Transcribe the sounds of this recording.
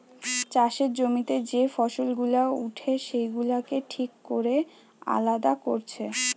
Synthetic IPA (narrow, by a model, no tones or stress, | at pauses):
t͡ɕaʃeɾd͡ʑomit̪ed͡ʑefɔʃolɡulauʈʰeʃejɡulakeʈʰikːoɾe | a̰lad̪akoɾt͡ɕʰe